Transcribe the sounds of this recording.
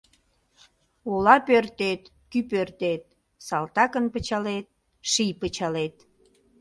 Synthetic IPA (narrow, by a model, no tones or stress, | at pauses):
olɑpørt̪et̪kypørt̪et̪̚ | sɑlt̪ɑkənpət͡ɕɑlet̪̚ | ʃijpət͡ɕɑlet̪